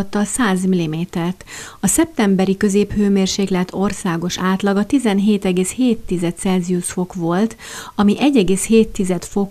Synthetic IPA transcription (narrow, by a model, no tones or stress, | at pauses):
t̪ːɒlsaːzmilːimeːt̪ɛrt̪ɒsɛp̚t̪ɛmbɛɾikø̞zeːphøːmeːrʃeːklɛt̪ʰːo̞rsaːɡo̞ʃaːt̪lɒɡɒt̪izɛnɦeːt̪ɛɡeːsheːt̪ːizɛt̪̚sɛlzijuʃfo̞kʋo̞lt̪ | ɒmiʔɛɟːɛɡeːsheːt̪ːizɛt̪fo̞